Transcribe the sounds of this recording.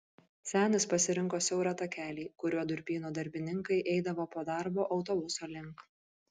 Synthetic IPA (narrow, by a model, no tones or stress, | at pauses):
sʲæːnʲɪspɐsʲɪɾʲɪŋkoːsʲɛʊɾɐt̪ɐkʲæːlʲiːkʊɾʲuɔd̪ʊɾʲpʲiːnoːd̪ɐɾʲbʲɪnʲɪŋkɐɪʔɛɪd̪ɐʋoːpoːd̪ɑˑɾboːʔɒʊt̪oːbʊsoːlʲɪŋˑk